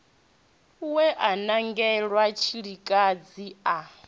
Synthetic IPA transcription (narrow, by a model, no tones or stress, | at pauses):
wɛʔanaŋɡɛɺwat͡ʃʰiɺikʼad͡zia